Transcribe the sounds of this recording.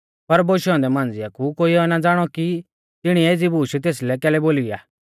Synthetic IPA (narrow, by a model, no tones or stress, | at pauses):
pɐɾboːʃɔ̃nd̪ɛmãːnd͡zɪjakukoːiɔnad͡zaːɽ̃ɔki | t̪ɪɽ̃ieːd͡zibuːʃt̪̬eːslɛkɛːlɛboːlija̰ː